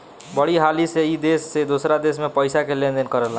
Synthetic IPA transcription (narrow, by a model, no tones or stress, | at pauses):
bəɽiɦaːliseid̪eːsːed̪oːsɾad̪eːsmẽpəɪsakelẽnd̪ənkəɾəla